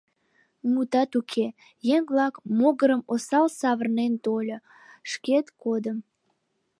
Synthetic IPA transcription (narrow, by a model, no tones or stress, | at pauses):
mut̪ɑt̪ukʰe | jeŋβlɑkmoɣəɾəmosɑlsɑβərnent̪olʲo | ʃket̪kod̪əm